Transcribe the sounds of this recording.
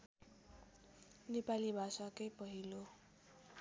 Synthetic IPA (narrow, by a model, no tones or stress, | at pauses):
nepalibʱasakʌjpʌɦilo